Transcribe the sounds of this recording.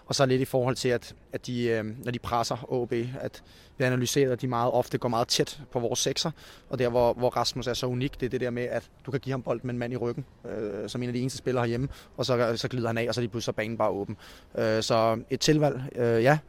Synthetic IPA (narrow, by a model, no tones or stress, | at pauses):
ɒ̽sɒle̝d̥ifɒːhɒ̽l̰t͡sʰe̝læd̥æd̥d̥inɒd̥ipʰʁasɐɔ̰b̥e̝̰ːæd̥ | ʋ̥iænælyse̝̰ːɐðˠæd̥imɑ̈ːð̞̩ˠɒ̽fd̥əɡ̥ɒ̰mɑ̈ːð̞̩ˠt͡sʰed̥pʰɒ̽ʋɒːsːeɡ̥sɐʔɒ̽d̥æɐ̰ʋɒʋɒʁɑ̈smusæɐsɒ̽uniɡ̥d̥e̝ɐd̥e̝d̥eɐmeæd̥d̥ukʰæɡ̥ḭːhɑ̈mb̥ɒ̽l̰d̥̚meenmæn̰iʁœɡ̥n̩ | øsɒme̝̰nædie̝ːnəsd̥əsb̥e̝lɐhɑ̈jeməɒ̽sɒ̽sɒ̽ɡ̥liːð̞ˠɐhænɛ̰ːɒ̽s̬ɒd̥ipʰlusɐb̥ɛ̰ɪn̩b̥ɑ̈ːɔ̽ːb̥n̩ | øsɒ̽e̝d̥̚t͡sʰe̝lʋæl̰øjæ